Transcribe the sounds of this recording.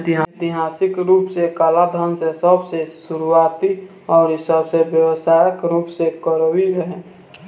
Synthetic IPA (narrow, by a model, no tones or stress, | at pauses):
t̪ɪɦat̪iɦaːsɪkɾuːpsekaːlad̪ʱənsesəbsesuɾuaːt̪i | ɔːɾsəbsebjəwəsajəkɾuːpsekəɾowiɾəɦɛ̃